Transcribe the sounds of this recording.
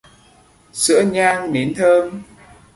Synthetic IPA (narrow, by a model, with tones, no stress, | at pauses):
sɨ̰˧˥əɲaː˧ŋne˨˦nt̪ʰəː˧m